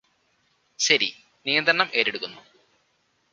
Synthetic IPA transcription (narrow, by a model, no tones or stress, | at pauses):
ɕɐɾḭ | nijɐnd̪ɾɐɳɐmʔe̞ːɾeɽukːunːu